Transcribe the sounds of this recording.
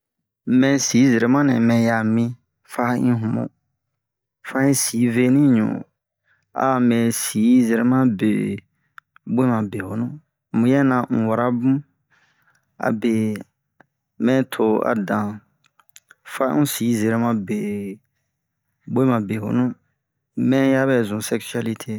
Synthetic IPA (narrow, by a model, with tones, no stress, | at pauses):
mɛ̃˨si˨˦ze˨ɾe˨˦mã˦nɛ̃˨mɛ̃˨ja˨mĩ˧ | fa˦ĩ˦ɦũ˨mõ̰˨ | fa˧˦ĩ˦si˨˦ve˦nĩ˦ɲṵ̃˨ | a̰˨mɛ̃˨si˨˦ze˨ɾe˨˦mã˦bḛ˨ | be˦mã˨be˨ho˨˦nũ˦˨ | mũ˨jɛ˦nã˨ŋ̩̃˨wa˨ɾa˦bũ˦ | a̰˨be˨ | mɛ̃˦tʰo˨a̰˨dã˨ | fa˦ŋũ˦si˨˦ze˨ɾɛ˦mã˦be˨ | be˦mã˨be˨ho̰˨nũ˦ | mɛ̃˦ja˦bɛ˨zũ˨sɛ˦ksa˦li˦tʰe˦